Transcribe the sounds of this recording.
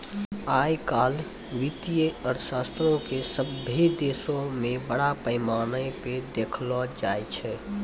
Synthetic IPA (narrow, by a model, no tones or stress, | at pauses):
ajkaːl | ʋit̪ijəəɾsast̪ɾõkesəbʱːid̪esõmẽbəɽapəɪmaːnəped̪ekʰlɔd͡ʒajt͡ʃʰɛ